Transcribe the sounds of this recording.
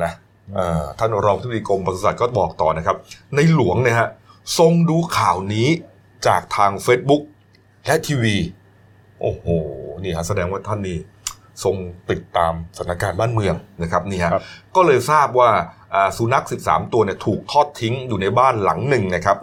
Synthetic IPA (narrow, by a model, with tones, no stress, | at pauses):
na˦˥ | ʔɤː˨˩t̪ʰa˥˩nɾɔː˧ŋpa˩˦˥diː˧ko˧mpa˧su˧˥sa˨˩t̪̚kɔː˥˩bɔː˨˩k̚t̪ɔ̰ː˨˩na˦˥kʰa˦˥p̚na˧jlu˨˩˦əŋni˥˩ɐɦa˦˥so˧ŋduː˧kʰaː˨˩wniː˦˥ | t͡ɕaː˨˩k̚t̪ʰaː˧ŋfeː˦˥t̪̚bu˦˥k̚ | lɛ˦˥ʔt̪ʰiː˧wiː˧ | ʔoː˨˩hoː˨˩niː˥˩ha˦˥ʔsa˧dɛː˧ŋwaː˥˩t̪ʰa˥˩nːiː˥˩ | so˧ŋpi˨˩t̪ːaː˧msa˨˩˦nʰa˧kaː˧nbaː˥˩nmɯ˧əŋna˦˥kʰp̚niː˥˩ɦa˦kɔː˥˩lɤː˧jsaː˥˩p̚waː˥˩ʔaː˨˩su˨˩˦na˦˥k̚si˨˩p̚sa̰ː˩˦mt̪u˧ɐni˥˩ɐt̪ʰuː˨˩k̚t̪ʰɔː˥˩t̪ʰːi˦˥ŋjuː˨˩na˧jbaː˥˩nla̰˩˦ŋnɯ˨˩ŋna˦˥kʰa˦˥p̚